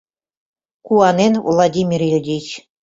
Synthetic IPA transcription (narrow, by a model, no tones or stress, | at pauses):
kuɑnenvlˠadʲimʲirʲjedʲit͡ɕ